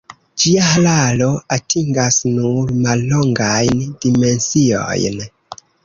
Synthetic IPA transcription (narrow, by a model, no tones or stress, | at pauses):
d͡ʒiaɦalalo̞atʰiŋɡasnuɾmalːo̞ŋɡajndime̞nsio̞̰jn